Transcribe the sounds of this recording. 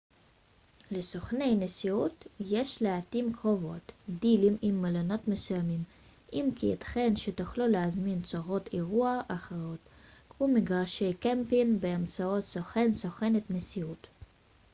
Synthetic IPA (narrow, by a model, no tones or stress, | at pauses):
lesoχne̞jnesiut̪jeʃleat̪imkʁo̞vo̞̰t̪d̪ilimimːalano̞t̪mesujamim | ʔimkiet̪χenʃet̪uχluleazmint͡soʁo̞t̪eʁuaʔaχaotkmumiɡaʁʃejkempinbeamt͡sao̞t̪soχensoχenet̪nesiut